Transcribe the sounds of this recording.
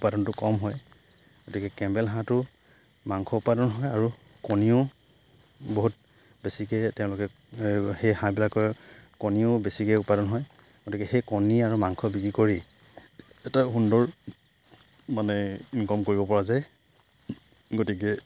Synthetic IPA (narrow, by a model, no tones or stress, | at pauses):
upadɔntʊkɔmɦɔj | ɡotikɛkɛmbɛlɦãtʊ | maŋkʰɔupadɔnɦɔjaɹu | koniʊ | boɦut̚ | besikɛtɛʊ̃lʊkɛ | xejhãbilakɔkoniʊbesikɛupadɔnɦɔj | ɡotikɛxejkoniaɹumaŋkʰɔbikɹikoɹi | ɛtaxundɔɹ | manɛinkɔmkoɹibɔpɔɹazaj | ɡotikɛ